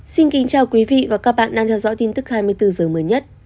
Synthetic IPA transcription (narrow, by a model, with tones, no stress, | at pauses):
si˧nkï˨˦ŋt͡ɕaː˨˩wkwi˨˦vḭ˧˨vaː˨˩kaː˦˥k̚ɓa̰ː˧˨nɗa˧ŋt̪ʰwzɔ̰˧˥jt̪i˧nt̪ɨ˦˥k̚haː˧jmɨ˧əjt̪ɨ˧zɨː˨˩əməː˨˦jɲə˦˥t̚